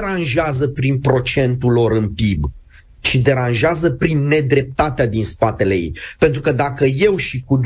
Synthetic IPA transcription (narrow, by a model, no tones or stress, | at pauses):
ɾanʒeazəpɾinpɾo̞t͡ʃe̞nt̪ulo̞ɾɨnpib | ʃid̪e̞ɾanʒeazəpɾinːe̞d̪ɾe̞p̚t̪at̪ead̪inspat̪e̞lḛjḛjpe̞nt̪ɾukəd̪akəje̞wʃikud̪